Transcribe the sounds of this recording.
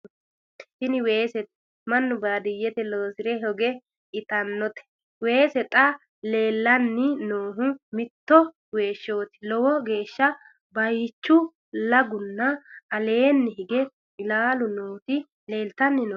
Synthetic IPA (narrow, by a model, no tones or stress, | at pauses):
hɪnɪwe̞ːsɛt̪ | mɐnːʊbaːd̪ɪjːɛt̪ɛloːsɪɾɛɦɔɡɛ | ɪt̪ɐnːɔt̪ɛ̥ | we̞ːsɛt̪ʼɐ | le̞ːlːɐnːɪnoːɦʊmɪt̪ːɔ | we̞ːʃːo̞ːt̪ɪ̥lɔwɔɡe̞ːʃːɐ | bɐjt͡ʃːʊ | lɐɡʊnːɐɐle̞ːnːɪɦɪɡɛ | ɪlaːlʊnoːt̪ɪ | le̞ːlt̪ɐnːɪno